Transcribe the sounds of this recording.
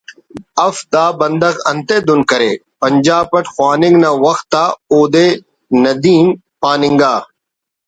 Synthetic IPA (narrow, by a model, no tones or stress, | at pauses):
ɐfd̪aːbənd̪əɣɐnt̪eːd̪ʊnkəɾeːpəɲd͡ʒaːpəʈʰxwaːnɪŋɡnaːʋɐxt̪ːaːoːd̪eː | nɐd̪iːm | paːnɪŋɡaː